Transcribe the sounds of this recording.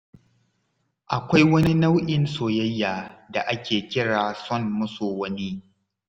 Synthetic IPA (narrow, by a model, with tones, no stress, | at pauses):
ʔa˨kʷa˦jwɐ˦ni˦na˦wʔɪ˦˨nsoː˨jɐ˦jːaː˨da˨ʔa˦kʲeː˨kʲɪ˦ɽaː˨sɔ˦˨nmʊ˦soː˨wɐ˦ni˦